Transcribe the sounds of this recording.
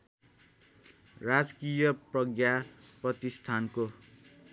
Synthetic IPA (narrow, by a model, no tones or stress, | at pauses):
rad͡zkijʌprʌɡjaprʌt̪ist̪ʰanko